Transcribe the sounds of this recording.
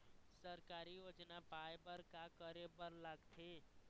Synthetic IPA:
səɾkaɾijod͡ʒnapajbəɾkakəɾebəɾlaɡt̪ʰe

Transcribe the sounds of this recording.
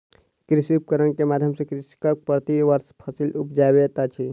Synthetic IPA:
kɾɪsiup̚kəɾənkemaːd̪ʱjəmsekɾiskakpɾət̪iʋəɾspʰəsilup̚d͡ʒabet̪at͡ʃʰi

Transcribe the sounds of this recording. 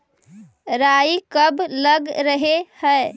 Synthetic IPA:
ɾaikəbləɡɾəɦehəe

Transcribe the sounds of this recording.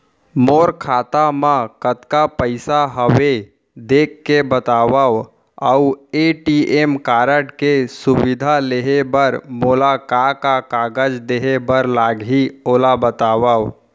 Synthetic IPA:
moːɾkʰaːt̪amãkət̪kapəɪsaɦəwe | d̪eːkːebət̪aːwə | əueʈiʔemkaːɾəʈkesʊwɪd̪ʱaleɦebəɾmolakakakaːɡəd͡ʒd̪eːɦebəɾlaːɡɦioːlabət̪aːwəw

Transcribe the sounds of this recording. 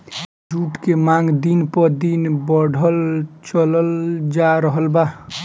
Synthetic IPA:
d͡ʒuʈkemaŋɡd̪inpɔd̪inbəɽʱəlt͡ʃələld͡ʒaɾəɦəlba

